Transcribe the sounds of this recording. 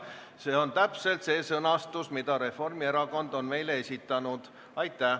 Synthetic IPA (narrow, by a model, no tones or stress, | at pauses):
se̞ːo̞nt̪æpse̞lt̪se̞ːsɤnɑst̪usmid̪ɑɾe̞fo̞rmieɾɑko̞nd̪̥o̞nme̞jlee̞sʲit̪ːˑɑnud̪̥ | ɑjt̪ːˑæ